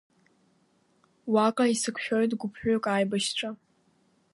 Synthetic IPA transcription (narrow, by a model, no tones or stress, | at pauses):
wakʼaisɨkʷʰʃᶣojtɡʷʊpʰħᶣʷokʼaːjbaʃʈ͡ʂʷʰʼa